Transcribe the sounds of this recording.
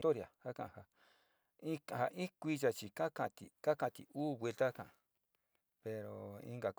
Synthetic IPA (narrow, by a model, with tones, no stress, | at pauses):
t̪o˦ɾja˨ha˦kã̰˧ʔha˧ | i˦a˨ha˧ʔi˦kʷi˧ʒa˧t͡ʃi˧ka˦kã˧t̪i˨ka˦kã˧˨t̪ḭ˨uː˦βe˧lt̪a˦kã̰˨ | pe˧ɾo˨ḭ̃˧ŋɡa˨k